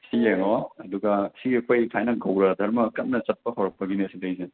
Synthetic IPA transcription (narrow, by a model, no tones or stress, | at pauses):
sijeŋɔɐduɡɐsiɐkʰojkʰajnɐɡɐwɾɐdʱɐɾmɐkɐt̚nɐt͡ʃɐt̚pɐɦawɾɐk̚pɐɡiniɐsidɐjse